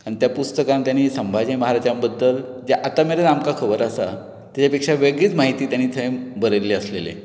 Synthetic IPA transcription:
kaɽ̃t̪japust̪əkãnt̪janisəmbʱad͡ʑẽməɦaɾad͡ʑambəd̪ːəld͡ʑjaʔat̪ameɾenamkakʰəbəɾasa | t̪jat͡ɕapekʂaʋeɡɭiːt͡smaɦit̪iːt̪janiːt̪ʰə̃bəɾelːeəslelḛ

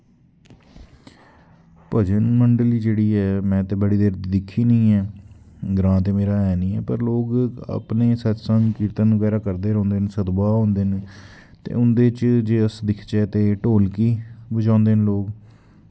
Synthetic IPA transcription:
pəd͡ʒənməɳɖəliːd͡ʒeːɽiːɦɛːmɛ̃ːt̪eːbəɽiːd̪eːɾd̪d̪ɪkʰːiːnəĩːɛːɡɾãːt̪eːmeːɾaːɛːnĩːɛːpəɾloːɡə̰pneːsət͡ʃsəŋkiːɾt̪əːnːɡɛːɾaːkəɾd̪eːɾɔ̃ːnd̪eːnsəd̪baːɦõːnd̪eːn | t̪ḛːʊnd̪eːt͡ʃd͡ʒeːəsd̪ɪkʰt͡ʃɛːt̪eːʈoːlkiːbəd͡ʒãːnd̪eːnloːɡ

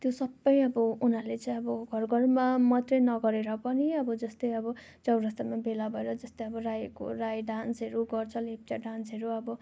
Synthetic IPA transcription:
t̪josʌbːʌjʌbʌunalet͡saĩʌbʌɡʱʌrɡʌrmamʌt̪rʌnʌɡʌɾeɾʌpʌniʌbʌd͡zʌst̪ʌjʌbʌ | t͡sʌwɾʌst̪amabelabʱʌeɾʌd͡zʌst̪ʌjʌbʌrajko̰rajɖãnsɦeɾuɡʌrt͡sʰʌlep̚ʈaɖansɦeɾuʌbʌ

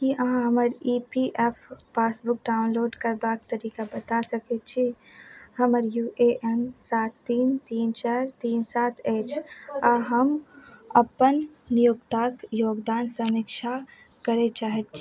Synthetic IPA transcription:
kiəɦãɦəməɾipiʔepʰpaːsbuk̚ɖaʊnloːɖkəɾbak̚t̪əɾikabət̪asəkɛt͡ʃʰi | həməɾjuʔeʔɛnsat̪ːiːnt̪iːnt͡ʃaɾt̪iːnsaːt̪ʰet͡ʃʰaɦəməpənnijokt̪akjoːɡd̪aːnsəmikʃʰa | kəɾɛt͡ʃaːɦɛt̪t͡ʃʰi

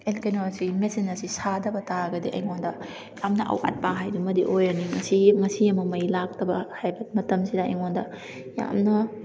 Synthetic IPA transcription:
elkenosimesinɐɾsisadɐbɐtaɡɐdiʔɐ̰jŋondɐ | jamnɐʔɐ̰wa̰t̚paɦajdumɐdiʔojɐniŋɐsiŋɐsijɐmɐmɐjlak̚tɐbɐhajbɐt̚mɐtɐmsidɐɐ̰jŋondɐ | ja̰mnɐ

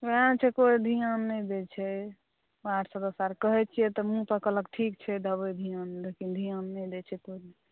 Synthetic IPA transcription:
ʋeãnt͡ʃʰɛkoid̪ʱijanːɛd̪ɛt͡ʃʰɛ | aʈʰsəd̪əsaɾkəɦɛt͡ʃʰijɛt̪ɔmũt̪əkələkʈʰik̚t͡ʃʰɛd̪əbəd̪ʱijand̪ekind̪ʱijanːɛd̪ɛt͡ʃʰɛkoilɛ

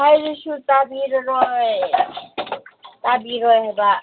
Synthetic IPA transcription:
ajɾiʃut̪abiɾnɔ | t̪abiɾɔeba

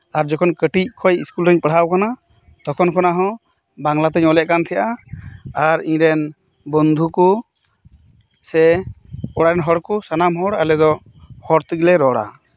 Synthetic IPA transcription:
aɾd͡ʒɔkʰɔnkəʈic̚kʰɔjiskulɾəɲpəɽ̤awkana | t̪ɔkʰɔnkʰɔnaɦɔ̃ | baŋlat̪ɛɲɔlɛʔ̚kant̪ʰɛjaʔaaɾiɲɾɛn | bɔnd̪ʱuku | sɛ | ɔɽaɾɛnɦɔɽkusanamɦɔɽalɛd̪ɔ | hɔɾt̪əɡilɛɾɔɽa̰

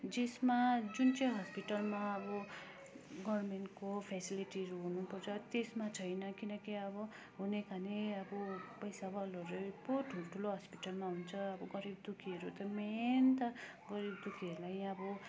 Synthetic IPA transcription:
d͡zesmad͡zunt͡sʌjɦʌspiʈʌlmaːbɔ | ɡʌɾmeɳʈkopʰesiliʈiɾuɦunupʌɾt͡sʰʌt̪esmat͡sʰʌjnʌkinʌkiʌbʌ | ɦunekʰaneʌbɔpʌjsabalɔɾuboʈʰuloʈʰuloɦʌspiʈʌlmaɦunt͡sʰʌːbɔɡʌɾib̚d̪ukʰieɾut̪ʌment̪ʌ | ɡʌɾibd̪ukʰielajʌbɔ

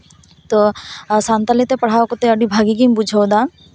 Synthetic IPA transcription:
t̪osant̪alit̪epɐɽ̤aːokot̪eɐɖibʱaːɡik̬imbud͡ʒʱawd̪a

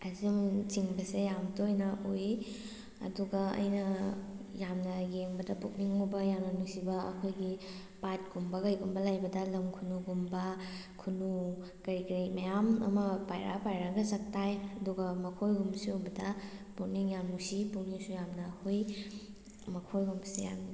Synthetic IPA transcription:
ɐzimt͡ʃiŋbɐsejamtojnɐʔoj | ɐ̰duɡaɐ̰jnɐjamnɐɡeŋbɐdɐpuk̚niŋmubɐjamnɐnusibɐɐ̰kʰojɡi | pat̚ɡ̥umbɐɡɐjɡumbɐlajbɐdɐlɐmkʰunuɡumbɐ | kʰunu | kɐɾikɾimɐjamɐ̰mɐpajɾʔa̰pajɾaɡɐzɐk̚tajɐduɡɐmɐkʰojɡumsibɐdɐpuniŋjamnusipuniŋsujamnɐhoj | mɐkʰojɡumbseja̰m

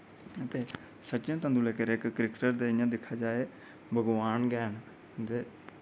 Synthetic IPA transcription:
ət̪eː | sətːt͡ʃãːt̪ãːnd̪ũːleːkəɾɪkːɾɪkʈəɾd̪eːjãːd̪ɪkʰːaːd͡ʒaːeː | bʱəɡʋaːnɡɛːn | d̪eː

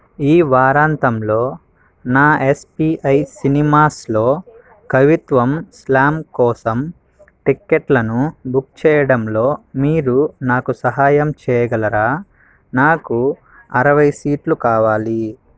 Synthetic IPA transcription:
iːʋaːɾaːnt̪ɐmlo̞ː | naːespiːʔɐjsinimaːslo̞ː | kɐʋit̪ʋɐmslaːmkɔːsɐm | ʈikːeʈlɐnubuk̚t͡ʃɛːjɐɽɐmlo̞ːmiːɾunaːkusɐɦaːjɐmt͡ʃɛːjɐɡɐlɐɾaː | naːku | ɐɾɐʋɐjsiːʈlukaːʋaːli

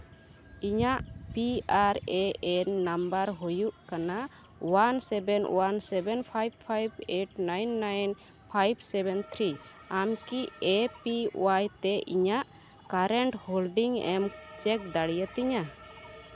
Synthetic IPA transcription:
iɲaʔpiaɾɛɛnːambaɾɦɔjuʔkana | wansɛbɛnwansɛbɛnpʰajb̚pʰajbeʈnajnːajn | pʰajbsɛbɛnt̪ʰɾi | amkiɛpiṵwajt̪ɛʔiɲaʔ | kaɾɛɳʈholɖiŋɛ̰mt͡ʃɛk̚d̪aɽijət̪ɛɲa

